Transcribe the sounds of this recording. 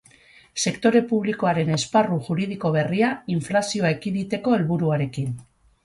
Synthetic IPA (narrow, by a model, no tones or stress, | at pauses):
se̞kt̪o̞ɾe̞puβ̞liko̞aɾe̞ne̞sparuʝuɾið̞iko̞β̞e̞riaiɱflasio̞aekiðit̪e̞ko̞e̞lβuɾuaɾe̞kin